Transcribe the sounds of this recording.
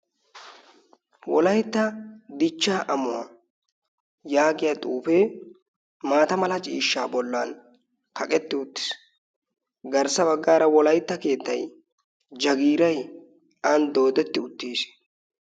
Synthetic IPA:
wɔlɐjt̪ːɐd̪ɪt͡ʃːaːʔɐmʊwa | jaːɡɪjat̪ʼuːfɛ | maːt̪ɐmɐlɐt͡ʃʼḭːʃːaːbɔlːaːn | kɐkʼɛt̪ːɪʊt̪ːɪ̥s | ɡɐɾsɐbɐɡːaːɾɐwɔlɐjt̪ːɐke̞ːt̪ːɐj | d͡ʒɐɡiːɾɐj | ɐnd̪o̞ːd̪ɛt̪ːɪʊt̪ːiːs

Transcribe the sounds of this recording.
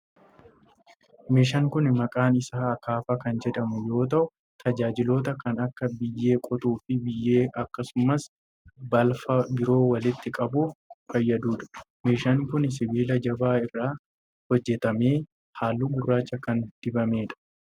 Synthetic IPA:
meːʃɐŋkʊnmɐkʼaːnɪsaːɐkaːfɐkɐnd͡ʒɛᶑɐmʊjo̞ːt̪̬ɐʔʊ | t̪ʰɐd͡ʒaːd͡ʒɪlo̞ːt̪ɐkɐnɐkːɐbɪjːe̞ːkʼɔt̪ʼuːfɪbɪjːe̞ːʔɐkːɐsʊmɐs | bɐlfɐbɪɾo̞ːwɐlɪt̪ːɪkʼɐbʊfɐjːɐd̪uːᶑɐ̥ | meːʃɐŋkʊns̬ɪbiːlɐd͡ʒɐbaːɪrːaː | hɔd͡ʒːɛt̪ɐme̞ː | haːlːuɡʊrːaːt͡ʃːɐkɐnd̪̥ɪbɐme̞ːᶑɐ̥

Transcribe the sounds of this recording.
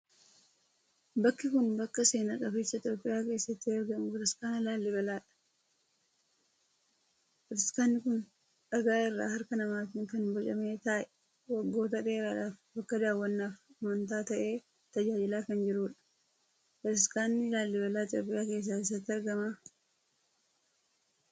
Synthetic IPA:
bɐkːɪkʊnbɐkːɐse̞ːnaːkʼɐfɪt͡ʃːɐɪt̪joːpʼːɪjaːke̞ːsːɐt̪ːɪɐɾɡɐmʊʊt̪ɪskaːnɪlaːlːɪbɐlaːᶑɐ̥ | ɔt̪ɪskaːnːɪkʊn | ᶑɐɡaːɪrːa̰ːhɐɾkɐnɐmaːt̪ɪŋkɐnbɔt͡ʃʼɐme̞ːt̪aːʔɛ | wɐɡːo̞ːt̪ɐᶑeːɾaːᶑaːfbɐkːɐd̪aːwːɐnːaːfɐmɐnt̪aːt̪ɐʔe̞ː | t̪ɐd͡ʒaːd͡ʒɪlaːkɐnd͡ʒɪɾuːᶑɐ̥ | ɔt̪ɪskaːnːɪlaːlːɪbɐlaːɪt̪joːpʼɪjaːke̞ːs̬ːaːɪs̬ːɐt̪ːɪɐɾɡɐma

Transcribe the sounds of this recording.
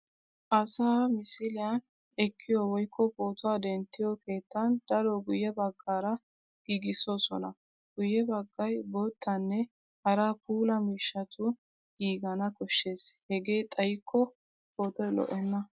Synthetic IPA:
ʔɐsaːmɪsɪlɪjan | ɛkʰːɪjowɔjkʰːɔpo̞ːt̪ʊwaːd̪ɛnt̪ːɪjɔkʰe̞ːt̪ːɐnd̪̥ɐɾɔɡʊjːɛbɐɡːaːɾɐ | ɡ̥iːɡɪsosɔ̰nɐ̰ | ɡ̥ʊjːɛbɐɡːɐjboːt̪ːɐnːɛ | hɐɾapʰuːlɐmiːʃːɐt̪ʰʊ | ɡ̥iːɡɐnɐkɔʃːe̞ːshɛɡeːt̪ʼɐjɪkʰːɔ | poːt̪ɔjlɔ̰ʔɛnːɐ

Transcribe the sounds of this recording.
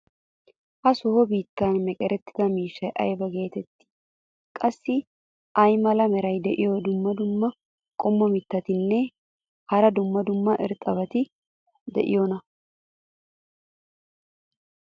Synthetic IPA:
ʔɐsɔhɔbiːt̪ːɐnmɛkʼɛɾɛt̪ːɪ̥d̪ɐmiːʃːɐjʔɐ̰jbɐɡe̞ːt̪ɛt̪ːɪ̥ | kʼɐsːɪ | ʔɐjmɐlɐmɛɾɐjd̪ɛʔɪjod̪ʊmːɐd̪ʊmːɐ | kʼɔmːɔmɪt̪ːɐt̪ɪnːɛ | hɐɾɐd̪ʊmːɐd̪ʊmːɐʔɪɾt̪ʼɐbɐt̪ɪ | d̪ɛ̰ʔɪ̰jɔnɐ

